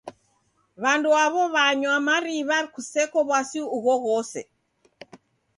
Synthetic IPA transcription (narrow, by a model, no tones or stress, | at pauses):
βanduaβɔβaɲwamaɾiβakusɛkɔβwasiuɣɔɣɔsɛ̰